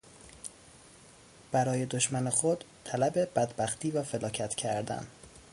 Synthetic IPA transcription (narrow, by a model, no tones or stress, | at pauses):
b̥æɾɒːje̞d̪oʃmænexod̪ | t̪ʰælæbe̞b̥æd̪bæxt̪ʰiːvæfe̞lɒːcʰæt̪ʰcʰæɾd̪æ̰n